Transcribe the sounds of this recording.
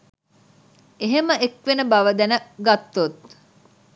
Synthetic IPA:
eɦeməʔekʋenəbɐʋəd̪ænəɡat̪ːot̪̚

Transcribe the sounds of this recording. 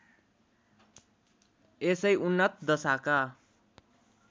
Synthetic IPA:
esʌjunːʌt̪̚ʰd̪ʌsaka

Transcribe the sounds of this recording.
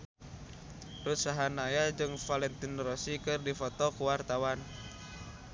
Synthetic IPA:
rut̪saɦanajad͡ʒɨŋfalɛnt̪inrɔsikɨrdifɔt̪ɔkuwart̪awan

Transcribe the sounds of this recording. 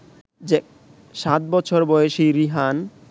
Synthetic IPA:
d͡ʑe | ʃat̪̚bɔt͡ɕʰoɾbɔjeʃiɾiɦan

